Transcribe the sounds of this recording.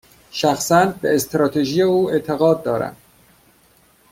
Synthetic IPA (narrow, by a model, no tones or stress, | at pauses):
ʃæxsænd̪beest̪ʰɾɒːt̪ʰeʒiːjeuːe̞t̪ʰeɣɒːd̪̚ːɒːɾæ̰m